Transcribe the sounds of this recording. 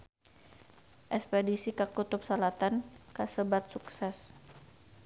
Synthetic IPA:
ʔɛkspɛdisikakut̪ʊp̚səlat̪ankasəbat̪̚suksɛs

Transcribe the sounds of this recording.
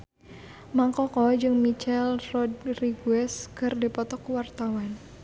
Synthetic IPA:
maŋkɔkɔd͡ʒɨŋmit͡ʃɛlrɔdriɡuɛskɨrdipɔt̪ɔkwart̪awan

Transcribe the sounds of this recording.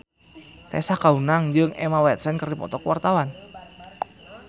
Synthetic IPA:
t̪ɛ̰sakaunaŋɲd͡ʒəŋʔemawɛt̪̚sɛnkərdipɔ̰t̪ɔkwart̪awan

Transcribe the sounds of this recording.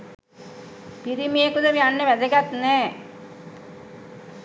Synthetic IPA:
piɾimijekud̪əʋianːeʋæd̪eɡat̪nɛː

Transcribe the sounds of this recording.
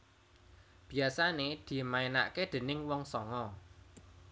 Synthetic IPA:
b̥i̤asaned̪̥i̤maena̰ʔked̪̥e̤nɪŋwɔŋsɔŋɔ

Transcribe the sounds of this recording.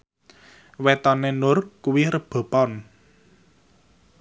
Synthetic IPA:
wet̪ɔnenʊrkuwiɾəb̥o̤pɔn

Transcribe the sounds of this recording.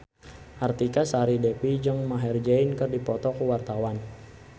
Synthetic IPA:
ʔart̪ikasaɾidɛpid͡ʒəŋmaɦɛrd͡ʒainkərdipɔt̪ɔkuwart̪awan

